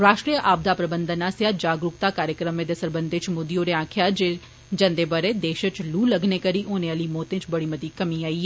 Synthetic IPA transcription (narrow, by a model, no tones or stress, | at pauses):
ɾaːʃʈɾiːjəʔaːb̚d̪aːpɾəbənd̪ənaːsjaːd͡ʒaːɡɾʊkt̪aːkaːɾjəkɾəmẽːd̪eːsəɾbənd̪et͡ʃmoːd̪ioːɾeːãːkʰjaːd͡ʒe | d͡ʒə̃nd̪eːbəɾeːd̪eːʃət͡ʃluːləɡneːkəɾiːʔoːnẽaliːmɔːt̪ẽːt͡ʃbəɽiːməd̪iːkəmiːaːiː